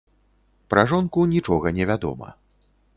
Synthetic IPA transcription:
pɾaʐɔnkunʲit͡ʂɔɣɐnʲɛvʲad̪ɔ̰mɐ̰

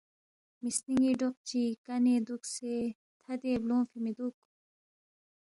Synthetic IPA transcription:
misniŋɡiːɖoq̚t͡ɕikɐneːd̪ukseː | t̪ʰɐd̪eːblõːfimid̪uk

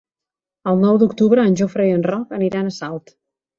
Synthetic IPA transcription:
əlˠnɔwd̪ukt̪uβɾəːnʲʒofɾejənrɔkəniɾaənəsalˠt̪

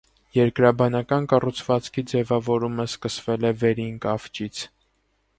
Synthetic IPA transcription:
jɛɾkɾɑbɑnɑkɑnkɑrut͡sʰvɑt͡skʰid͡zɛvɑvɔɾuməskəsvɛlɛvɛɾinkɑft͡ʃit͡sʰ

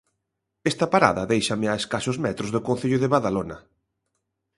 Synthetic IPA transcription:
ɛst̪ɐpaɾa̰ðɐðejʃɐmɪaeskasʊzmɛt̪ɾʊzðʊkonθiʎʊðeβaðalonɐ

